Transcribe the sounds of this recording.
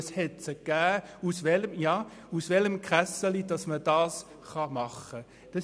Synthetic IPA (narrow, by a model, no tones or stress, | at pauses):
shɛtsəɡ̥æːusvɛləmjɑː | usʋɛləmkʁ̥æsəlid̥ɑsməd̥ɑːs | χɑmɑχə | d̥ɑ